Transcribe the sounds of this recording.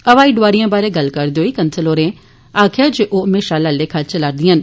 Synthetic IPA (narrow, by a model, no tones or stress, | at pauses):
əʋaːiːɖʊʋaːɾijãːbaːɾeːɡəlkəɾd̪eoːiːkənsəlɦoːɾẽː | aːkʰɪjaːd͡ʒeːʔoːɦəmeːʃaːlaːleːkʰəɾt͡ʃəlaːɾd̪ɪjən